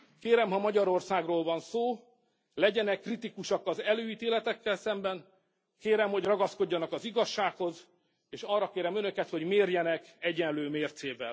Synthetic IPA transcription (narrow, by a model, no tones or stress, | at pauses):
keːɾɛmɦɒmɒɟɒɾo̞rsaːɡroːlvɒnsoː | lɛɟɛnɛkːrit̪ikuʃɒkːɒzɛløːiːt̪eːlɛt̪ɛkːɛlsɛmbɛn | keːɾɛmho̞ɟrɒɡɒsko̞ɟːɒnɒkɒziɡɒʃːaːkho̞z | eːʃɒrːɒkeːɾɛmønøkɛt̪ho̞ɟmeːrjɛnɛkɛɟɛnløːmeːrt̪seːvɛ̰l